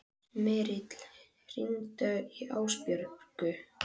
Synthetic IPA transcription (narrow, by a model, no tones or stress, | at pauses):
mɛːɾɪt̪l̥ | r̥ḭnt̪aiʔaːwspjœɾkʏ